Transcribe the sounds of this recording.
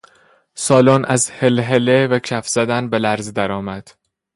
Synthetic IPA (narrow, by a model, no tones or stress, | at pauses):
sɒːlɒnʔæzhelɦelevæcʰæfz̥æd̪ænbe̞læɾzd̪æɾɒːmæd̪̥